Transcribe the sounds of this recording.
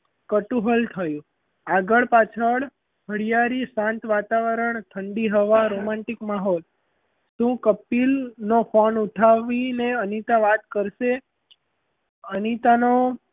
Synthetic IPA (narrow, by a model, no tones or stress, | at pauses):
kəʈũɦəlt̪ʰəjũ | aɡəɭpat͡ʃʰəɭ | ɦəɽijaɾisãnt̪ʋat̪aʋəɾəɳt̪ʰəɳɖiɦəʋaɾomãɳʈikmaɦɔl | ʃũkəpilnofʰonuʈʰaʋineənit̪aʋat̪kəɾʃe | ənit̪ano